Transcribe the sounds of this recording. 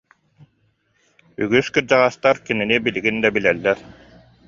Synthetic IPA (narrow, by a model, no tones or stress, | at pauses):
yɡyskɯɾd͡ʑaʁast̪aɾkininibiliɡind̪abilɛlːɛɾ